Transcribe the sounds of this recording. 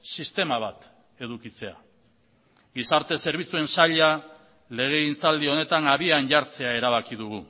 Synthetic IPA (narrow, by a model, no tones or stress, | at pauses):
sist̪e̞maβ̞at̪ | e̞ðukit͡se̞a̰ | ɣisaɾt̪e̞seɾβ̞it͡sue̞nsaʎa | le̞ɣ̞e̞int͡sald̪io̞ne̞t̪anaβianʝaɾt͡se̞ae̞ɾaβ̞akiðuɣ̞u